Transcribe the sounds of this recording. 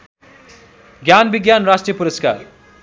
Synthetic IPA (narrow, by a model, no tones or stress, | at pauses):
ɡjanbiɡjanrasʈrijəpuɾəska̰r